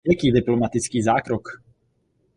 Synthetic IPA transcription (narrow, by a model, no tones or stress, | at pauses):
ɛkiːd̪iplɔmat̪it͡skiːzaːkɾɔk